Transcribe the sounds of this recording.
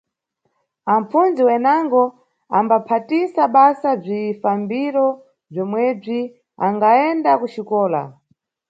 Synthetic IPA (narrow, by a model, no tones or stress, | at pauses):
am̩funziwɛnaŋɡɔ | ambapʰatisaɓasab͡ʐifambiɾɔ | b͡ʐɔmwɛb͡ʐi | a̰ŋɡaɛndakuʃikɔːla̰